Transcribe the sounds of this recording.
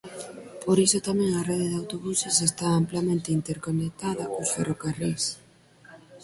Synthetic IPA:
poɾisot̪amẽŋareðeðawt̪oβusesest̪aamplamẽnt̪eint̪eɾkonek̚t̪aðɐkosferokaris

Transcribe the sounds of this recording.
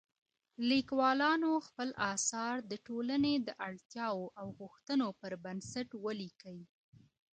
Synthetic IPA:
likwɑlɑnoxpəlɑsɑɾd̪əʈolaned̪əʔaɽt̪jɑwoʔawɣʊxt̪ənopəɾbansaʈwəlikawi

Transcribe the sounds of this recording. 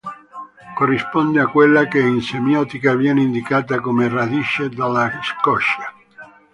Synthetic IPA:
korːispɔnd̪eakwelːakeinsemjɔt̪ikavjɛneind̪ikaːt̪̬akomerad̪iʃed̪alaskɔʃa

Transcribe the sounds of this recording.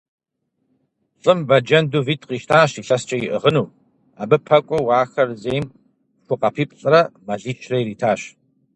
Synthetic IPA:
ɕʼɨmbɐd͡ʒɐnduviːtʰqiːʃtʰaːɕiɬɐst͡ʃʼɐjɪʔə̰ʁənuː | a̰ːbɨpʰɐkʷʼɔwaːxɐrzejm | ɕʷʊqɐpʰiːpʼɬʼɐrɐmɐɮiːt͡ʃʰrɐjɾiːtʰaːɕ

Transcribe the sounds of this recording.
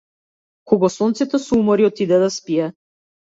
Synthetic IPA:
kɔɡɔsɔnt̪sɛt̪ɔsumɔɾiɔt̪id̪ɛd̪aspiɛ

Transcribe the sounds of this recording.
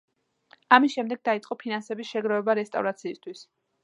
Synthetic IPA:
amisʃɛmd̪ɛɡ̚d̪ait̪sʼɔpʰinansɛbisʃɛɡɾɔvɛbaɾɛst̪ʼa̰vɾat̪sʰiːst̪ʰwis

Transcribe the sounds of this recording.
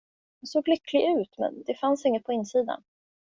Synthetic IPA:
d̪ɛnsoːɡlʏkʰːlɪɡʉ̟ːt̪mɛ̰nd̪ɛfansɪŋːət̪̚pʰɔɪnːsiːd̪a̰n

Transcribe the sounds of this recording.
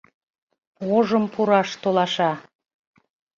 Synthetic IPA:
oʒəmpuɾɑʃt̪olɑʃɑ

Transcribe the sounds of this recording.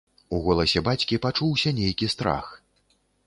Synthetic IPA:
uɣɔlˠɐsʲɛbat͡sʲkʲipat͡ʂuwsʲɐnʲejkʲist̪ɾa̰x

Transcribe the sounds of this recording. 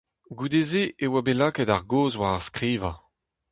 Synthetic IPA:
ɡud̪ezeʔewabelaːkɛtaʁɡoːzwaʁaʁskʁiːva

